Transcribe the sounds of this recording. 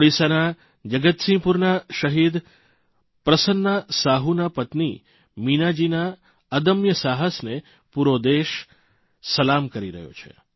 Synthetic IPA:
ɽisana | d͡ʒəɡət̪sĩpuɾnaʃəɦid̪ | pɾəsənːasaɦunapət̪nḭ | minad͡ʒina | əd̪əmjəsaɦəsne | puɾod̪eʃ | səlamkəɾiɾə̰ɦjo̰t͡ʃʰḛ

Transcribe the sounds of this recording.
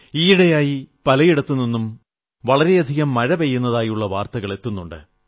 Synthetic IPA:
iːiɽɐjaːjipɐlɐjiɽɐt̪ːunːinːum | ʋɐɭɐɾe̞jɐd̪ʱiɣɐmːɐɻɐʋejːunːɐðaːjuɭːɐʋaːrt̪ɐɣɐɭe̞t̪ːunːuɳɖɨ̰

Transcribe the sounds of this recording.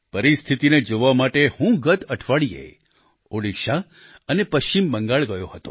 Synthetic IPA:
pəɾist̪ʰit̪ined͡ʒoʋamaʈehũɡət̪əʈʰʋaɭijḛ | oɽiʃa | ənepəʃt͡ʃimbəŋɡaɭɡəjohət̪o̰

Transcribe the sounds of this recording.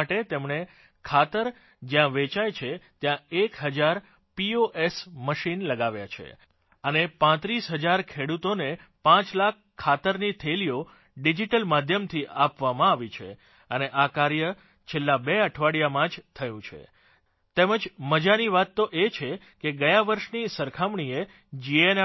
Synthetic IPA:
ʈet̪emɳe | kʰat̪əɾ | d͡ʒjãʋet͡ʃajt͡ʃʰet̪jãekɦəd͡ʒaɾ | pioʔesməʃinləɡaʋja̰t͡ʃʰḛ | ənepãt̪ɾisɦəd͡ʒaɾkʰeɽut̪onepãt͡ʃlakʰːat̪əɾnit̪ʰelijo | ɖid͡ʒiʈəlmad̪ʱjəmt̪ʰiʔapʋamãaʋit͡ʃʰḛ | əneʔakaɾjə | t͡ʃʰelːabeəʈʰʋaɽijamãd͡ʒt̪ʰəjũt͡ʃʰḛ | t̪eməd͡ʒməd͡ʒaniʋat̪ːoʔet͡ʃʰe | keɡəjãʋəɾʃnisəɾkʰamɳie | d͡ʒien

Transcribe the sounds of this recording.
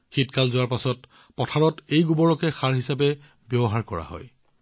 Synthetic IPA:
xitkalzʊwaɹpasɔt | pɔtʰaɹɔtejɡubɔɹɔkɛxaɹɦisap̬ɛ | bjɔbɔɦaɹkɔɹa̰ɦɔ̰j

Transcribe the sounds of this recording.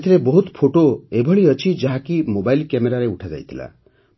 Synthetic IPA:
t̪ʰiɾebɔɦut̪pʰoʈoebʱɔɭiʌt͡ʃʰid͡ʒaɦakimobajlkjemeɾaɾeuʈʰad͡ʒa̰jt̪ʰila̰

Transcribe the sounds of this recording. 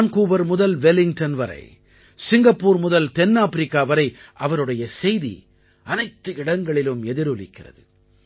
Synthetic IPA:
nkuːbɐɾmʊðɐlʋɛlɪŋʈɐnʋɐɾɐ̰ɪ | sɪŋɡɐpːuːɾmʊðɐlt̪ɛnːaːpɪɾɪkːaːʋɐɾɐɪʔɐʋɐɾɯɽɐjɐsɛjðḭ | ɐnɐɪt̪ːɯɪɽɐŋɡɐɭɪlɯmɛðɪɾɯlɪ̰kːɪrɐ̰ðɯ

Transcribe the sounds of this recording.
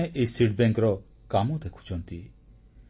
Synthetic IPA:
eʔejsiʈbeŋkɾɔ | kamɔd̪ekʰu̥t͡ʃʰɔnt̪i

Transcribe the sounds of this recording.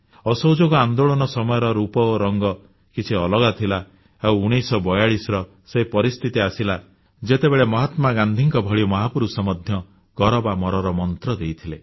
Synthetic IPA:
ɔsowd͡ʒoɡɔand̪oɭɔnɔsɔmɔjɔɾɔɾupɔoɾɔŋɡɔ | kit͡ʃʰiɔlɔɡat̪ʰila | ewuɽ̃esɔbɔjaɭisɾɔ | sepɔɾist̪ʰit̪iasila | d͡ʒet̪ebeɭemɔɦat̪maɡand̪ʱiŋkɔbʱɔɭimɔɦapuɾusɔmɔd̪ʱjɔ | ɡ̥ɔɾɔbamɔɾɔɾɔmɔnt̪ɾɔd̪ejt̪ʰile

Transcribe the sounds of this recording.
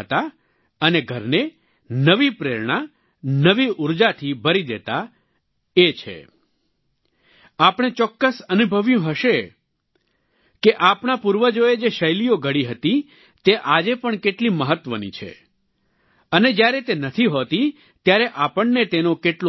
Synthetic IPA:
t̪a | əneɡʱəɾne | nəʋipɾeɾɳ̃a | nəʋiuɾd͡ʒat̪ʰibʱəɾid̪et̪a | et͡ʃʰḛ | apɽ̃et͡ʃɔkːəsənubʱəʋjũɦəʃe | keʔapɳapuɾʋəd͡ʒoed͡ʒeʃəjlijoɡʱəɽiɦət̪i | t̪eʔad͡ʒepəɳkeʈliməɦət̪ːʋənḭt͡ʃʰḛ | əned͡ʒjaɾet̪enət̪ʰiɦot̪i | t̪jaɾeʔapəɳnet̪enokeʈlo

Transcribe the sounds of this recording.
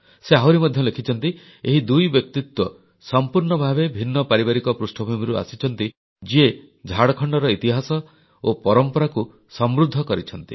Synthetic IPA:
seɦawɾimɔd̪ʱjɔlekʰit͡ʃʰɔnt̪i | eɦid̪ujbjɔk̚t̪it̪wɔ | sɔmpuɾɳɔbʱabebʱinːɔpaɾibaɾikɔpɾusʈʰɔbʱumiɾua̰sit͡ʃʰɔn̪t̪i | d͡ʒie | d͡ʒʱaɽɔkʰɔɳɖɔɾɔit̪iɦasɔ | opɔɾɔmpɔɾaku | sɔmɾud̪ʱːɔkɔɾit͡ʃʰɔn̪t̪ḭ

